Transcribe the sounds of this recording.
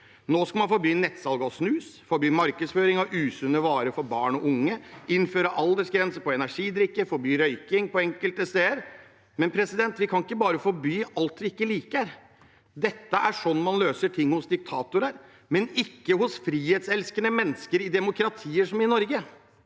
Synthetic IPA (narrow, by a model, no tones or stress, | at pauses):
noːskɑmɑnfɔɾbyːnɛt̪sɑlɡəɔsnʉːsfɔɾbyːmɑɾkəsføːɾɪŋɔʔʉːsʉnːəʋɑːɾəfɔɾbɑːɳɔʔʊŋːəɪnføːɾəʔɑld̪əʂɡɾɛnsəpɔɛnæʂiːd̪ɾɪkːəfɔɾbyːɾœʏkɪŋpɔɛŋkəlt̪əseːəɾ | mɛnpʰɾɛsɪd̪ɛnt̪ʋɪkʰɑnɪkːəbɑːɾəfɔɾbyːɑlt̪ɪɪkːəliːkæɾ | d̪ɛt̪ːəæʂɔnːmɑnløːsəʈʰɪŋːhʊsd̪ɪk̚t̪ʰɑːt̪ʊɾəɾ | mɛnɪkːəhʊsfɾiːheːt̪sɛlskənəmɛnːəskəɾɪd̪ɛmʊkɾɑt̪ʰiːəʂɔmɪnɔɾɡə